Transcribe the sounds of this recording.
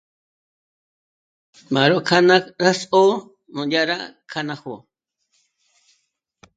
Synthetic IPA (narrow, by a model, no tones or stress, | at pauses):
maɾokʰanakɾaso | nojaɾa̰kʰanaxo